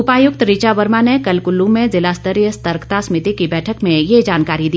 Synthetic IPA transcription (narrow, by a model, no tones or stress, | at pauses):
ʊpaːjʊk̚t̪ɾɪt͡ʃaʋəɾmanekɐlkʊlːũmẽzɪlaːst̪əɾjəst̪əɾkt̪asmɪt̪ikibɛːʈʰəkmẽjed͡ʒaːnkaːɾid̪iː